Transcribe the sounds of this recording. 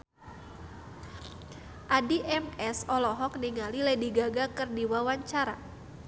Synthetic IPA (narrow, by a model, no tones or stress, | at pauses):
ʔadiʔɛmɛsɔlɔɦɔk̚niŋalilɛdiɡaɡakɨrdiwawaɲt͡ʃaɾa